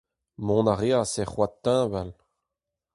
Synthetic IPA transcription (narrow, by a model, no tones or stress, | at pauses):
mɔ̃naʁeaseχwat̪ːɛ̃ːval